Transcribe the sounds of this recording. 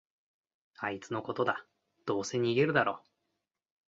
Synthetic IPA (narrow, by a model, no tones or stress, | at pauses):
ait͡sɨnoko̞t̪o̞d̪a | d̪̥o̞ːse̞ɲ̟iːɡe̞ɾɯ̟d̪aɾo̞̰ː